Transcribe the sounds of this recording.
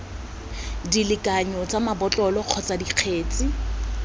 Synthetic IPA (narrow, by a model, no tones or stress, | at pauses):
dilɪkʼaɲɔt͡sʼamabɔt͡ɬʼɔlɔq͡χʰɔt͡sʼadiq͡χʰeːt͡sʼɪ